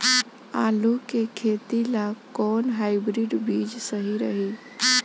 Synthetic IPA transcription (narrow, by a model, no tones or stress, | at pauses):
a̰lukekʰet̪ilakɔnɦaɪbɾiɖbid͡ʒsəɦiɾəɦi